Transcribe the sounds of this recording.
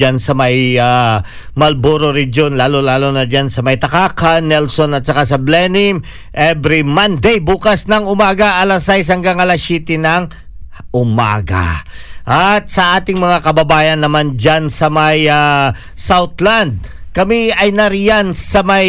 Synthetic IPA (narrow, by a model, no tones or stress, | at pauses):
ansɐmɐja | mɐlboɾoɾɛd͡ʒo̞nlaːlolaːlonɐd͡ʒansɐmɐjt̪ɐkaːkanːɛlso̞nɐt̪̚t͡ʃɐkasɐblɛnɪm | ʔɛbɾimɐnd̪ɛjbuːkɐsnɐŋʊmaːɡɐʔɐlɐsajs̬hɐŋɡaŋɐlɐsɛːt̪ɪnɐŋ | ʔʊma̰ːɡa̰ʔat̪̚sɐʔaːt̪ɪŋmɐŋakɐbɐbaːjɐnːɐmand͡ʒansɐmɐja | sawt̪land̪̚kɐmiɐjnɐɾijansɐmɐj